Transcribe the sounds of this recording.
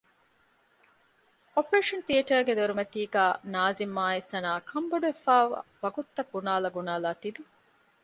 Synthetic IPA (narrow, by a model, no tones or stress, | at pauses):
opɾeːʂɐnt̪iɐʈɐːɡed̪oɾumɐt̪iːɡæːnaːzimːaːesɐnaːkʰɐmbɐɖuʋefaːʋɐ̰ʋɐɡut̪ːɐɡ̚ːunaːlɐɡunaːlaːt̪id̪i